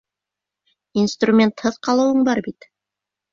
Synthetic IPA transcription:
inst̪rumʲe̞nt̪hɤðqɑlˠɤ̆wɤɴbɑɾbit̪

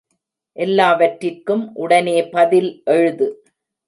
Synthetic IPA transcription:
ʔɛlːaːʋɐʈrɪrkɯmʔʊɽɐneːpɐðɪlʔɛɻɯðɯ

